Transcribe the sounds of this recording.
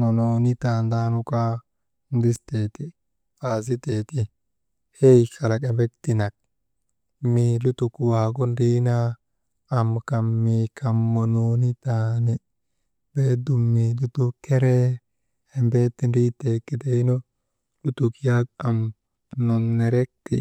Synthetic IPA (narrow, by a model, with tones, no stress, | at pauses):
no˨no˨ni˦t̪aː˨nd̪aː˦nʊ˦ka˦ | nd̪ɪ˦st̪e˨t̪i˦ | aː˨z̬ɪ˦t̪e˨t̪i˦ | he˦jka˨la˨ka˨mbɛ˦kt̪i˨na˨k̚ | milu˦t̪u˨kwaː˨ɡ̬ɔ˦ndi˦naː˦˨ | mka˨mːikʰɐ˨mːɔ˨noːnɪ˦t̪aːnɛ | beː˦d̪ʊ˨mːilʊ˦t̪u˦kːɛɾɛ | hɛmbeːt̪ːɪ˦ndiː˦t̪ːeːkːɪ˨d̪e˦nɔ˦ | lʊ˦t̪ʊkja˦ka˨m | nɔ˨nːɛ˨ɾɛ˦k̚t̪ɪ̰˨